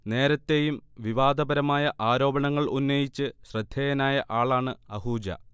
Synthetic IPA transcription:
ne̞ːɾɐt̪ːe̞ːjumʋiʋaːd̪ɐbɐɾɐmaːjɐʔaːɾo̞ːbɐɳɐŋːɐɭunːɐjit͡ɕːɨɕrɐd̪ʱjejɐnaːjɐʔaːɭaːɳɨɐɦuːd͡ʑɐ̰

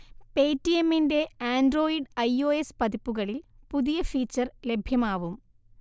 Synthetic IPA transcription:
pe̞ːtːijemːinde̞aːndro̞ːiɖɐjo̞ːespɐðipːuɣɐɭilpuðijɐfiːt͡ɕːɐrle̞bʱjɐmaːʋum

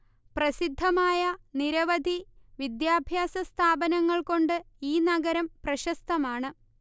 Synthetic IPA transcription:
prɐsid̪ʱːɐmaːjɐniɾɐʋɐd̪ʱiʋid̪jaːbʱjaːsɐst̪ʰaːbɐnɐŋːɐɭko̞ɳɖɨ | iːnɐɡɐɾɐmprɐɕɐst̪ʰɐmaːɳɨ

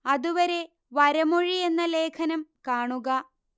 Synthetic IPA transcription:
ɐðuʋɐɾe̞ | ʋɐɾɐmoɻie̞nːɐle̞ːkʰɐnɐmkaːɳuɣɐ

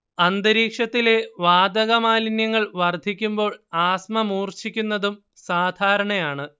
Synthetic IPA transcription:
ɐnd̪ɐɾiːkʂɐt̪ːile̞ʋaːd̪ɐɣɐmaːlinjɐŋːɐɭʋɐrd̪ʱikʲːumbo̞ːɭaːsmɐmuːrt͡ɕikʲːunːɐðum | saːd̪ʱaːɾɐɳɐjaːɳɨ

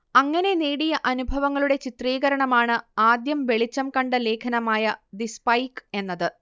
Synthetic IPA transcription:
ɐŋːɐne̞neːɽijɐʔɐnubʱɐʋɐŋːɐɭuɽe̞t͡ɕit̪riːɣɐɾɐɳɐmaːɳɨaːd̪jɐmʋe̞ɭit͡ɕːɐmkɐɳɖɨle̞ːkʰɐnɐmaːjɐd̪ispɐjke̞nːɐðɨ

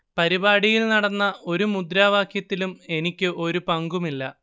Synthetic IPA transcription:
pɐɾibaːɽijilnɐɽɐnːɐo̞ɾumud̪ɾaːʋaːkʰjɐt̪ːilume̞nikʲːɨʔo̞ɾupɐŋɡumilːɐ

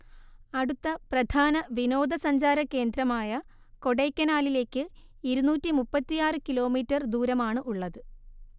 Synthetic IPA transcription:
ɐɽut̪ːɐprɐd̪ʱʰaːnɐʋino̞ːd̪ʱɐsɐɲd͡ʑaːɾɐkːe̞ːnd̪ɾɐmaːjɐ | ko̞ɽejkːɐnaːlile̞ːkːɨ | iɾunuːtːimupːɐt̪ːijaːrɨkilo̞ːmiːtːɐrd̪uːɾɐmaːɳɨʔuɭːɐðɨ

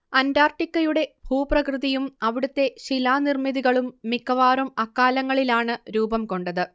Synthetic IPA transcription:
ɐndaːrʈikːɐjuɽe̞bʱuːprɐkrɨðijumɐʋiɽut̪ːe̞ɕilaːnirmiðiɣɐɭumːikːɐʋaːrumɐkːaːlɐŋːɐɭilaːɳɨɾuːbɐmko̞ɳɖɐðɨ

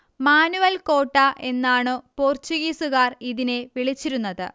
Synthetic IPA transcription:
maːnuʋɐlkoːʈːaʔe̞nːaːɳɨpo̞ːrt͡ɕuɣisuɣaːriðineʋiɭit͡ɕːiɾunːɐðɨ̰

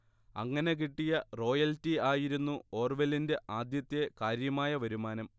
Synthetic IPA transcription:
ɐ̰ŋːɐne̞k̬iʈːijɐro̞ːjɐltːiaːjiɾunːuoːrʋelinde̞ʔaːd̪jɐt̪ːjekaːɾjɐmaːjɐʋɐɾumaːnɐm

